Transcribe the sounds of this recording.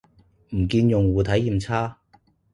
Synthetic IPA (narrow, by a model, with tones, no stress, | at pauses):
m̩˨˩kiː˧njʊ˨˩ŋwuː˨˧t̪ʰɐ˨˥jːiː˨˩mt͡sʰaː˥